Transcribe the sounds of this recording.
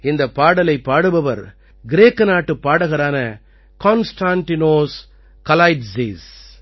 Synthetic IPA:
ɪnd̪ɐpːaːɽɐlɐɪpːaːɽɯʋɐʋɐɾ | ɡɪɾeːkːɐnaːʈːɯpːaːɽɐɯɣɐɾaːnɐ | koːnsʈaːnt̪ɪnoːs | kɐlaːɪʈsis

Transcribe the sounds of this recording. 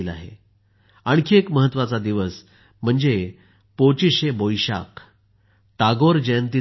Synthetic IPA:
ila̰ɦḛ | aɳ̃kʰeekməɦət̪ːʋat͡sad̪iʋəs | m̤əɳd͡ze | pot͡ɕiɕebojɕa̰k | t̪aɡoɾd͡ʑəjənt̪i

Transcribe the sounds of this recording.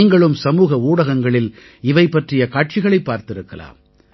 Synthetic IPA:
ŋɡɐɭɯmsɐmuːɣɐuːɽɐɣɐŋɡɐɭɪl | ɪʋɐɪpːɐʈrɪjɐkaːʈ̚t͡ʃɪɣɐɭɐɪpːaːɾt̪ɪɾɯkːɐla̰ːm

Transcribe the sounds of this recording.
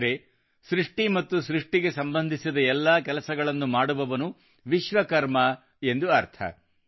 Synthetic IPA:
ɾe | sɾiʂʈimɐt̪ːusɾiʂʈiɡe̞sɐmbɐnd̪ʱisid̪ɐɛlːaːkɛlɐsɐɡɐɭɐnːumaːɽuʋɐʋɐnu | ʋiʃʋɐkɐɾmɐ | e̞nd̪uɐɾt̪ʰɐ̰

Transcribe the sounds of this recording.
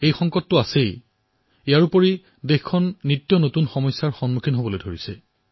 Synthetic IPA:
ejxɔŋkɔtːʊasej | ijaɹupɔɹi | dexkʰɔnːitːjɔnotunxɔmɔjsːaɹxɔnmukʰinɦobɔlojdʱoɹisɛ

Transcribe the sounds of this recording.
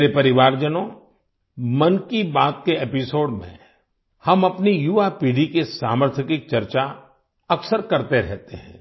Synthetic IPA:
ɾepɐɾɪʋaːɾd͡ʒənõ | mɐnkibaːt̪̚kepɪsoːɖmḛ̃ | hɐmɐpnijuʋapiːɖikesaːməɾt̪ʰəkɪk̚t͡ʃɐɾt͡ʃa | ɐksəɾkɐɾt̪eɾɛ̰ɦt̪eɦɛ̰̃ː

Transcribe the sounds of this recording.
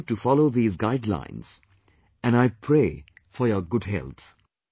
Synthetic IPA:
ʈufɑloʊðiːzɡaɪɖlã̰ɪ̃nz̥ | æ̃naɪpʰɹeː | fɔɾjɔɡʊɖɦɛ̰lt̪

